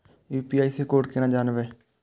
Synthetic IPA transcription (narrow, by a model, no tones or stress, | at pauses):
juːpiːaːiːseːkoːʈkɪnãːd͡ʒaːnʋeː